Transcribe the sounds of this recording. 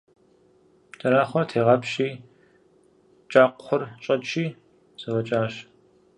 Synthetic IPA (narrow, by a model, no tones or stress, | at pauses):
t͡ʃʼɐɾaːχʷɔtʰeːʁɐpɕiː | t͡ʃʼaːqʷʰʊrt͡ʃʼɐiː | z̥ɨvɐt͡ʃʼaːɕ